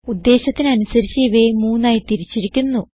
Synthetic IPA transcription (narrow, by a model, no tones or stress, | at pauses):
ud̪ːe̞ːɕɐt̪ːinɐnusɐɾit͡ɕːiʋemuːnːaːjit̪iɾit͡ɕːiɾikʲːunːu